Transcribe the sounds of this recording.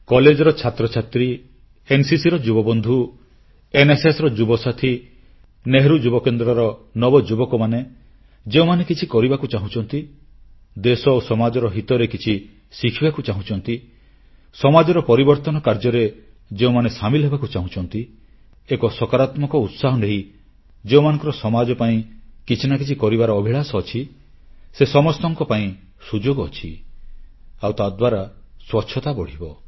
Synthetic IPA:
kɔled͡ʒɔɾɔt͡ʃʰat̪ɾɔt͡ʃʰat̪ɾi | ensisiɾɔd͡ʒubɔbɔnd̪ʱu | enesesɾɔd͡ʒubɔsat̪ʰi | neɦɾud͡ʒubɔkend̪ɾɔɾɔnɔbɔd͡ʒubɔkɔmane | d͡ʒeũmanekit͡ʃʰikɔɾibakut͡ʃaɦũt͡ʃʰɔnt̪i | d̪esɔosɔmad͡ʒɔɾɔɦit̪ɔɾekit͡ʃʰi | sikʰibakut͡ʃaɦũt͡ʃʰɔnt̪i | sɔmad͡ʒɔɾɔpɔɾibɔɾt̪ɔnɔkaɾd͡ʒɔɾe | d͡ʒeumanesamilɔɦebakut͡ʃaɦũt͡ʃʰɔnt̪i | ekɔsɔkaɾat̪mɔkɔut̪saɦɔneɦi | d͡ʒeumanɔ̃ŋkɔɾɔsɔmad͡ʒɔpaĩkit͡ʃʰinakit͡ʃʰikɔɾibaɾɔːbʱiɭasɔːt͡ʃʰi | sesɔmɔst̪ɔŋkɔpaĩ | sud͡ʒoɡːt͡ʃʰi | awt̪ad̪waɾaswɔtːʃʰɔt̪abɔɽ̤ibɔ

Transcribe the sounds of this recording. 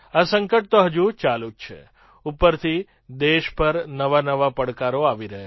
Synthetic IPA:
asəŋkəʈ̚t̪oɦəd͡ʒut͡ʃalũt̪t͡ʃʰḛ | upəɾt̪ʰi | d̪eʃpəɾnəʋanəʋapəɽkaɾoaʋiɾəɦe

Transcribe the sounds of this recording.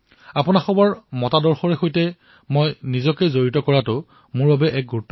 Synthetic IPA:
apʊnaxɔbɔɹmɔtadɔɹxɔɹɛxojtɛ | mojnizɔkɛzoɹitɔkɔɹatʊ | mʊɹbabɛʔɛk̚ɡutː

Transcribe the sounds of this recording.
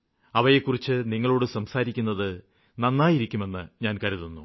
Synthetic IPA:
ɐʋɐjekːurit͡ɕːɨniŋːɐɭo̞ːɽɨsɐmsaːɾikʲːunːɐðɨ | nɐnːaːjiɾikʲːume̞nːɨɲaːnkɐɾiðonːu

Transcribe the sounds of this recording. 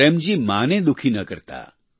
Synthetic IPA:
emd͡ʒimaːnẽd̪ʊkʰinɐkəɾt̪a̰ː

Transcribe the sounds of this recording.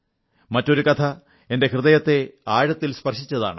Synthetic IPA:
mɐtːo̞ɾukɐt̪ʰɐ | e̞nde̞krɨðɐjɐt̪ːe̞aːɻɐt̪ːilspɐrʂit͡ɕːɐða̰ːɳɨ

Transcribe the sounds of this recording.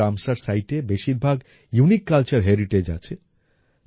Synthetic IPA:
amsəɾsajʈebeʃiɾbʱaɡ | junikːalt͡ʃəɾɦeɾiʈed͡ʒa̰t͡ʃʰe

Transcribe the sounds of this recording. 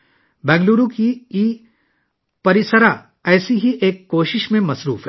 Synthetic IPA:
bɛ̃ːŋɡluːɾũkii | pɐɾɪsəɾa | ɛːsiɦiʔeːkːoːʃɪʃmẽmɐsɾṵːfɦɛː

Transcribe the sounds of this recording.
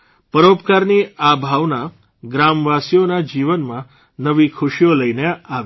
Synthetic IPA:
pəɾopkaɾniabʱaʋna | ɡɾamʋasijonad͡ʒiʋənmã | nəʋikʰʊʃijoləineaʋ

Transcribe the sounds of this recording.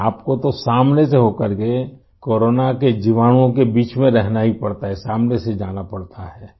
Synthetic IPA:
aːpkot̪osaːmneseɦokəɾke | koːɾoːnaked͡ʒiʋaːnõkebiːt͡ʃmẽɾɛɦnaɦipɐɽt̪aɦɛsaːmnesed͡ʒaːnapɐɽt̪aɦɛː

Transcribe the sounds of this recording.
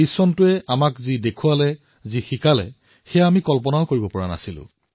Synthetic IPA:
isɔntʊɛʔamakzidekʰualɛ | zixikalɛ̰ | xɛjaamikɔlpɔnaʊkoɹibɔpɔɹana̰silʊ̰̃

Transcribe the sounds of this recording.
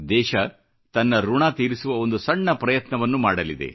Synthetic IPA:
d̪ɛːʃɐ | t̪ɐnːɐɾuɳaːt̪iːɾisuʋɐo̞nd̪usɐɳːɐpɾɐjɐt̪nɐʋɐnːumaːɽɐlid̪ḛ

